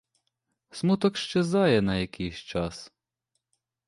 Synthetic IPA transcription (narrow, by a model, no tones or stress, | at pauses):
smut̪ɔkʃt͡ʃezɑjɛnɐjɐkʰɪjʃt͡ʃɑs